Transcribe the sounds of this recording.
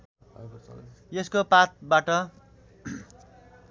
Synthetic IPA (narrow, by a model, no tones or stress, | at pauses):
jeskopat̪̚baʈʌ